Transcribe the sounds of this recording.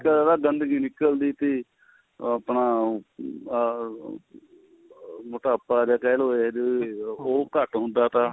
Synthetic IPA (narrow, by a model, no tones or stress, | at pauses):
kəɾaːɡənd̪ɡiːnɪkəld̪iːt̪eː | apnaː | mʊʈaːpːaːd͡ʒaːkɛːlɦoːeɦɛd͡ʒooːkəʈɦʊ̃nd̪aːt̪ãː